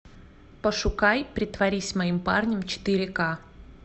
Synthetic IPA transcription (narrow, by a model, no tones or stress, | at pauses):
pəʂʊkajpɾʲɪt̪vɐɾʲisʲmɐimpa̰rnʲəmt͡ɕɪ̥t̪ɨɾʲɪka